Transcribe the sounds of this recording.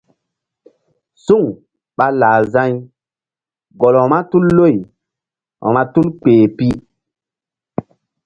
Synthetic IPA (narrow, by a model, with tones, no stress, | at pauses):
su˦˨ŋ | ɓa˦laː˨zã˦ɲ | ɡɔ˨lɔ˨ma˦tu˦lːo˦˨j | ɔ̰˨ma˦tu˦lk͡peː˨pi˦